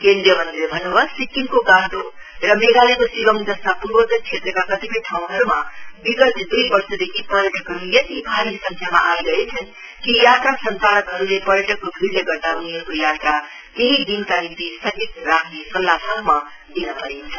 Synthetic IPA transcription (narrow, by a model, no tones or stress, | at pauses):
kẽnd̪ɾijəmənd̪ilebʱʌnobʌsikːimkoɡãɦd̪o | ɾʌmeɡalekosibəmd͡zʌst̪apuɾwʌt̪t͡ʃʰet̪ɾəkakʌt̪ibẽʈʰaũɦʌɾumabiɡʌt̪d̪uibʌɾsʰʌd̪ekʰipʌɾjəʈʌkɦʌɾujʌt̪ibʱaɾisʌ̃ŋkʰjama̰ʔaiɡʌet͡sʰʌn | kijaʈ̪ɾasənp̪aɾəkɦʌɾulepʌɾjəʈʌkːobʱiɾeɡʌɾt̪auniɦʌɾukojaʈ̪ɾa | keɦid̪inkanit̪isʌkit̪ɾakʰnesʌlːasabma | d̪inapʌɾent͡sʰʌ